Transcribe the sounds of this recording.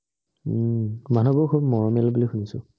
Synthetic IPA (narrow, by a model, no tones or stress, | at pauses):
manɔbɔɹkʰubmɔɹɔmɛlbulixunisʊ̰